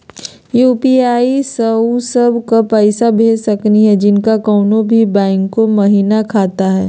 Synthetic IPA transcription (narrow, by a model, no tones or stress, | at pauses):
juːpiaːisɐsɐbʱkapɛɪsabʱeːd͡ʒsɐkniɦɛd͡ʒɪnkakɔːnõbʱibɛ̃ːŋkːomɐɦiːnakʰaːt̪aɦɛː